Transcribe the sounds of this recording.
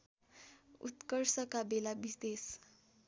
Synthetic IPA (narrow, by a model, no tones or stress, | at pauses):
ṵt̪kəɾsəkabelabisd̪es